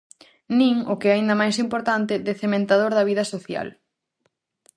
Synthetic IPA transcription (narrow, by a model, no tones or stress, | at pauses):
nĩŋʊkɪɛaind̪ɐmajsimpoɾt̪ant̪ɪd̪ɛθemẽnt̪aðoɾðɐβ̞iðɐsoθja̰l